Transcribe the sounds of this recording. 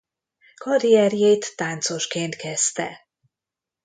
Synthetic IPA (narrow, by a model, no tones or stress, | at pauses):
kʰɒɾijɛɾjejt̪ːaːnt̪so̞ʃkeːnt̪kɛst̪ɛ